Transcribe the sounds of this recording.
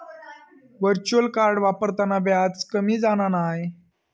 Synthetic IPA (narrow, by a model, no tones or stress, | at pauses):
ʋəɾt͡ɕuəlkaɾɖʋapəɾt̪anabjat͡skəmiːd͡zañanaɦe